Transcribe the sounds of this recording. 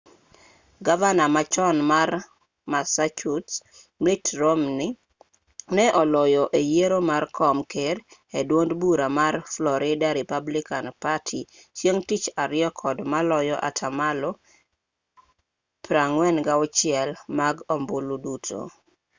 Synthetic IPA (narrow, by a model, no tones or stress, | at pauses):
ɡavanamat͡ʃɔnmar | masat͡ʃut | mitɾomni | nɛʔɔlɔjɔʔejeɾomarkʰɔmkeɾedwondbuɾamarflɔɾɪdaɾipablikanpatʰit͡ʃjeŋtit͡ʃaɾɪɔkʰɔdmalɔjɔʔa̰tʰamalo | pɾaŋwɛnɡaɔt͡ʃɪɛlmaɡomboludutʰo̰